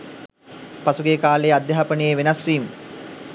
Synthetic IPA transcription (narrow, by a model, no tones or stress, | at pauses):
pasuɡekaːlejad̪jaɦapənəjeʋenɐsʋiːm